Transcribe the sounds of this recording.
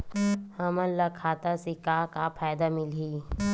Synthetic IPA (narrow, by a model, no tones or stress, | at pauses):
həməlləkʰaːt̪asikakapʰaːjd̪amɪliː